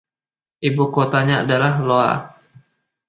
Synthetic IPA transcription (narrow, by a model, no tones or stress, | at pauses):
ʔibukot̪aɲaa̰dalahloa̰